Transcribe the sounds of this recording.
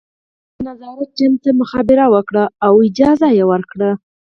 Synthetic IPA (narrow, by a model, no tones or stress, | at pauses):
nazɑɾat̪̚d͡ʒamt̪amʊxɑbɪɾawəkɽaawɪd͡ʒɑzajewəɾkɽa